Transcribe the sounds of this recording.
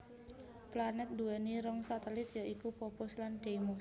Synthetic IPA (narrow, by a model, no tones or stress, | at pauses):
planɛt̪̚duɛniɾɔŋsat̪ɛlɪt̪jaʔikupɔpʊslandeimɔs